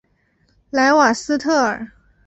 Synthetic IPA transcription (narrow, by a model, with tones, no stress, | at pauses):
la˧˥ɪwa˨˩sɹ̩˥t̪ʰɤ˥˩ə̰˞˨˩